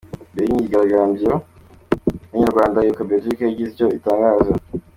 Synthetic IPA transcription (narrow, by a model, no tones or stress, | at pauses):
beiɲiiɡaɾaɡaːmbijo | muɲaɾɡwaːndajukabeʒikeɟizɟoitaːŋɡaːza